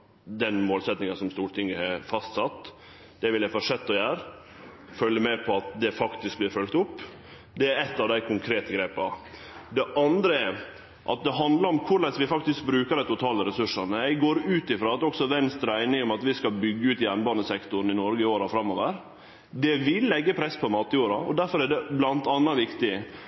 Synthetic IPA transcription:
d̪ɛnmoːlsɛt̪nɪŋənsɔmst̪uːɾʈʰɪŋːəhɛfɑst̪sɑt̪ː | d̪̥ɛʋɪljæɪfɔʂɛt̪ːɔjæːɾ | fœlːəmɛpʰɔɑt̪d̪ɛfɑkt̪ɪsk̚blɪːɾfœlk̚t̪ʊpː | d̪ɛæɾɛt̪ːɑʋd̪æɪkʰʊŋkʰɾeːt̪əɡɾeːpɑ | d̪ɛʔɑnd̪ɾəɛɾ | ʔɑ̰t̪̚d̪ɛɦɑnd̪lɑɾɔmkʰʊɾɭɛsʋɪfɑkt̪ɪsk̚bɾʉːkəɾæɪt̪ʊt̪ʰɑːləɾɛsʉʂənəɛɪɡoːɾʉːt̪ɪfɾɑːɑt̪ɔksɔʋɛnst̪ɾæɪnɪŋɔmɑt̪ʋɪskɑlbʏɡːəʉːt̪ɪjænbɑːnəsɛkt̪ʊɾn̩ɪnɔɾɡəoːɾɑfɾɑmːoːʋəɾ | d̪ɛʋɪlːɛɡːəpʰɾɛsːpʰɔmɑːt̪ɪjuːɾɑɔ̰d̪æɾfɔɾæɖɛblɑnt̪ɑnːɑʋɪkt̪ɪ

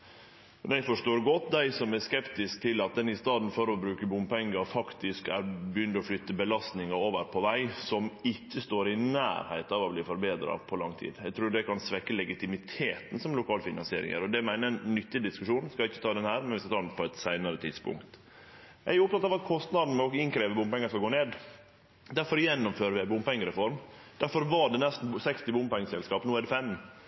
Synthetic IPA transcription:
mɛnɛɪfɔʂtoːɾɡɔt̪d̪æɪsɔmæskɛpt̪ɪsk̚t̪ʰɪlɑt̪̚d̪ɛnɪst̪ɑːd̪n̩fɔɾɔbɾʉːkəbʊmpɛŋːəfɑkt̪ɪskæɾbəjʏnd̪ɔflʏt̪ːəbəlɑst̪nɪŋɑoːʋəɾpʰɔʋæɪsɔmɪcːəst̪oːɾɪnæ̰ːɾhæ̰ɪt̪ɑʋɔbliːfɔɾbeːd̪ɾɑ̰pʰɔlɑŋt̪ʰḭːd̪ɛɡt̪ʰɾuːɖɛkɑnsʋɛkːəlɛɡɪt̪ɪmɪt̪ʰeːt̪n̩sɔmlʊkʰɑːləfɪnɑnsɪeːɾɪ̰ŋə̰ɾɔd̪ɛmæɪnənnːʏt̪ːɪd̪ɪskʉʂuːn̩skɑɪçːət̪ɑːd̪ɛnhæːɾmɛnʋɪskɑt̪ʰɑːd̪ɛnpʰɔɛt̪sæɪnəɾət̪ʰɪd̪spʊ̰ŋkt̪ | ææʊpt̪ʰɑt̪ɑʋɑt̪kʰɔst̪nɑd̪n̩ɔɡɪnkʰɾeːʋəbʊmpɛŋːəskɑɡoːneːd̪ | d̪æɾfɔɾjɛnːʊmføːɾəʋɪæɪbʊmpɛŋːəɾɛfɔɾmd̪̥æɾfɔɾʋɑɖɛnɛst̪n̩sɛkst̪ɪbʊmːpɛŋːəsɛlskɑːpnuːædɖɛfɛm

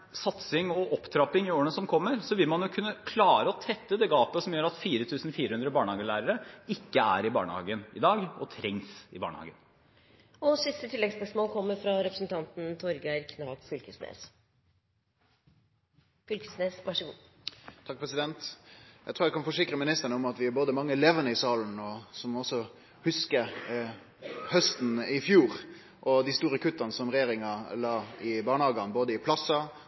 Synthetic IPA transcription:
sɑt̪sɪŋɔʔɔpːt̪ʰɾɑpɪŋɪoːɾəɳəsɔmkʰɔmːəɾsɔʋɪlmɑnjʊkʰʉnːəkʰlɑːɾəɔt̪ʰɛt̪ːəd̪ɛɡɑːpəsɔmjøːɾɑt̪fiːɾət̪ʰʉːsnfiːɾəhʉnd̪ɾəbɑːɳəhɑːɡəlæːɾəɾəɪkːəæ̰ɾɪbɑ̰ːɳəhɑ̰ːɡənɪ̰d̪ɑːɡɔt̪ʰɾɛŋsɪbɑ̰ːɳə̰hɑ̰ːɡən | ɔsɪst̪ət̪ʰɪlːɛɡspœʂmoːlkʰɔmːəɾfɾɑɾɛpɾəsənt̪ʰɑnt̪n̩t̪ʰɔɾɡæɪkʰnɑːt̪fʏlkəsnḛːs | fʏlkə̥snesʋɑʂəɡṵː | t̪ʰɑk̚pʰɾɛsɪd̪ɛnt̪jæɪt̪ɾuːɾæɛkʰɑnfɔʂɪkɾəmɪnɪst̪əɳəʊmɑt̪ʋɪæboːd̪əmɑŋːəlɛʋənəɪsɑːln̩ɔsɔmɔsːɔ | hʉskə | hœst̪n̩ɪfjuːɾ | ʔɔd̪ɪst̪uːɾəkʰʉt̪ːɑnəsɔmɾɛjeːɾɪŋɑlɑːɪbɑːɳəhɑːɡɑnboːd̪əɪpʰlɑsːɑ

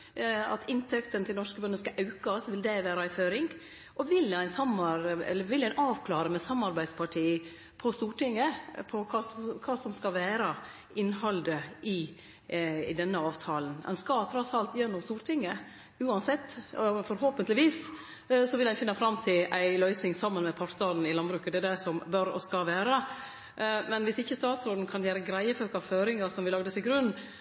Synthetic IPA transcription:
ɑ̰t̪ɪnt̪ʰɛkt̪ənt̪ʰɪlnɔʂkəbœɳəskɑʔɑʉkɑsʋɪld̪ɛʋæːɾɑæɪføːɾɪŋɡ | ʔɔʋɪlæɪnsɑmɑɾɛ̰lːəɾʋɪlæɪnʔɑːʋkʰlɑːɾəmɛsɑmːɑɾbæɪd̪spʰɑʈʰiː | pʰɔst̪uːʈɪŋːəpʰɔkʰɑːskʰɑːsɔmskɑʋæːɾɑ | ɪnːɦɑld̪əʔɪ | ɪ̰d̪ɛnːəɑːʋt̪ʰɑːlənɛ̰nskɑt̪ʰɾɔsɑlt̪jɛnːʊmst̪uːɾʈʰɪŋːə | ʉːɑnsɛt̪ːfɔɾhoːpənt̪lɪʋiːs | sɔʋɪlæɪfɪnːɑfɾɑmːt̪ʰɪlʔæɪlœʏsnɪŋsɑmːənmɛpʰɔɾd̪ɑːd̪n̩ɪlɑnbɾʉːkɑd̪ɛæd̪æsɔmbœɾɔ̰skɑʋæːɾə | mɛnʋɪsɪçːəst̪ɑːt̪sɾoːd̪n̩kʰɑnjæːɾəɡɾæɪəføːkɑʋføːɾɪŋɑsɔmʋɪlɑɡd̪ət̪ʰɪɡɾʉnː

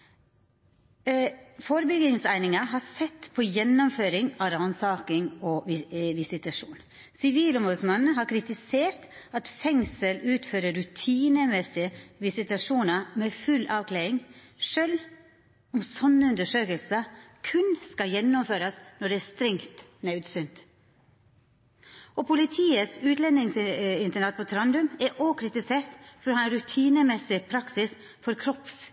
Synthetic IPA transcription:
foːɾəbʏɡɪŋsæɪnɪŋɑɦɑsɛt̪ːpʰɔjɛnːɔmføːɾɪŋɑɾɑnsɑːkɪŋɔʋɪsɪt̪ɑʂuːn | sɪʋiːlɔmbʉsmɑnnɦɑɾkʰɾɪt̪ɪseːɾt̪ | ɑt̪fɛŋsəlʉːt̪føːɾəɾʉt̪ʰiːnəmɛsɪəʋɪsɪt̪ɑʂuːnəɾmɛfʉlːʔɑːʋkʰleːɾɪŋ | ʂøːl | ʊmsɔnːəʉnd̪əʂøːkəlsəkʰʉnskɑjɛnːɔmføːɾɑsnɔɖɛæst̪ɾɛŋt̪nɑʉd̪sʏnt̪ | ɔpʰʊlɪt̪ʰiːəsʉːt̪lɛnɪŋsɪnt̪əɳɑt̪̚pʰot̪ʰɾɑnd̪ʉmɛʔoːkʰɾɪt̪ɪseːɾt̪fɔɾoːhɑːɛnɾʉt̪ʰiːnəmɛsɪpʰɾɑksɪs | fɔɾkʰɾɔps

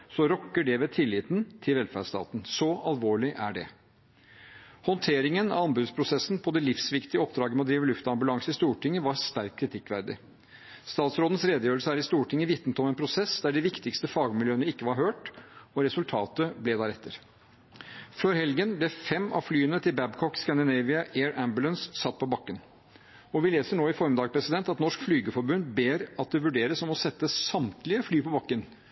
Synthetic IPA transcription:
sɔɾɔkːəɖɛʋɛːt̪ʰɪlːɪt̪nt̪ʰɪlʋɛlfæ̰ɖʂt̪ɑ̰ːt̪n̩sɔʔɑlʋoːɭɪʔæɖɛ̰ | hɔnt̪ʰeːɾɪŋənɑ̰ʋɑmbʉd̪spʰɾʊsɛsːn̩pʰɔd̪ɛlɪfsʋɪkt̪ɪəɔpːd̪ɾɑːɡəmɛɔd̪ɾiːʋəlʉft̪ɑmbʉlɑŋsɪst̪uːʈɪŋːəʋɑɾʂt̪æɾk̚kʰːɾɪt̪ʰɪkːʋæɾd̪ɪ̰ | st̪ɑːt̪sɾoːd̪ən̩sɾeːd̪əjøːɾəlsəæɾɪst̪uːʈʰɪŋːəʋɪt̪nət̪ɔmɛnpʰɾʊsɛsd̪æɖɪʋɪkt̪ɪkst̪əfɑːɡmɪljøːənəɪkːəʋɑɾɦøːʈɔɾɛsʉlt̪ʰɑːt̪əblɛd̪ɑːɾɛt̪ːəɾ | føːɾhɛlɡənblɛfɛmːɑ̰flyːənət̪ʰɪlbæbkʰɔkskɑnd̪ɪneɪʋɪɑʔeːɹʔæmbʉlənssɑt̪̚ːpʰɔbɑkːən | ɔʋɪleːsəɳoːɪfɔɾmɪd̪ɑːɡpʰɾɛsɪd̪ɛnt̪ɑt̪nɔʂkflyːɡəfɔɾbʉnd̪beːɾɑt̪̚d̪ɛʋʉɖeːɾəsɔmɔsɛt̪ːəsɑmt̪lɪəflyːpɔbɑkːən

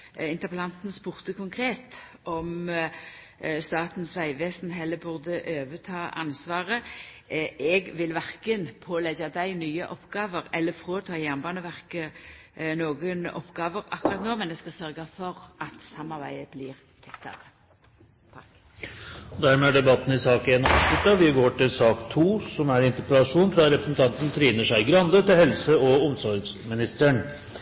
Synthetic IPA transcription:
ɪnt̪əʁpəlɑnt̪n̩spuːʁt̪əkʰʊŋkʰʁeːt̪ | ʔɔm | st̪ɑːt̪n̩sʋæɪʋeːsnɦɛlːəbʉʁd̪əʔøːʋət̪ʰɑːʔɑ̰nsʋɑːʁə | ɛɡʋɪlʋæʁkənpʰoːlɛɡɑd̪æɪnyːəʔɔpɡɑːʋəʁɛlːəfʁoːt̪ʰɑːjæʁnbɑːnəʋæʁkə | noːɡənɔ̰pɡɑːʋəʁɑ̰kːʊʁɑt̪noːmɛnd̪ɛskɑsœʁɡɑfɔʁʔɑt̪sɑmːɑʁbæ̰ɪəblɪʁ | t̪ʰɛkt̪ɑ̰ɾə | ɔd̪æɾmɛæɖɛbɑt̪ːn̩ɪsɑːkəɛnːɔʂɪt̪ːɑʋɪɡoːʈɪlsɑːkt̪ʰuːsɔmæɾɪnt̪əɾpəlɑʂuːnfɾɑɾɛpɾəsnt̪ʰɑnt̪n̩t̪ʰɾiːnəʂæɪɡɾɑnd̪ət̪ɪlhɛlsəɔʊmsɔɾɡsmɪnɪst̪əɳ

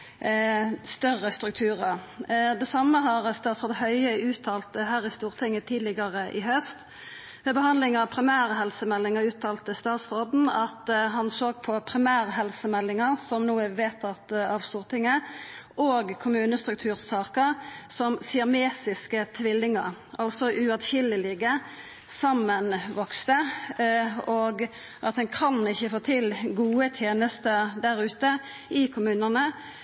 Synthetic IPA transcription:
st̪œʁəst̪ɾʉk̚t̪ʰʉːʁəd̪ɛsɑmːəɦɑʁst̪ɑːt̪sʁɔd̪əhœʏəʉːt̪ʰːɑːlt̪əɦæːɾɪst̪uːʁt̪ʰɪŋːət̪ʰiːd̪lɪɡɑʁəʔɪɦœst̪ | mɛbəɦɑnd̪lɪŋɑʋpʰɾɪmæːʁəɦɛlsəmɛlːɪŋəʁʉːt̪ʰɑːlt̪əst̪ɑːt̪sʁoːd̪n̩ɑt̪ɦɑnsoːɡ̚pʰɔpʰʁɪmæːʁɦɛlsəmɛlːɪŋəʁsɔmnuːəʋeːt̪ʰɑt̪ɑʋst̪uːʁt̪ʰɪŋːəʔoːɡkʰʊmʉːnəst̪ʁʉk̚t̪ʰʉːʁsɑːkəʁsɔmsɪɑmeːsɪskət̪ʰʋɪlːɪŋəʁ | ʔɑlsɔʔʉɑt̪çɪləlɪɡə | sɑmːənʋɔkst̪ə | oɡ | ʔɑt̪̚d̪ɛnkʰɑnɪçːəfoːt̪ʰɪlɡuːət̪ʰjeːnəst̪əd̪æʁʉːt̪ə | ɪkʰʊmʉːnənə

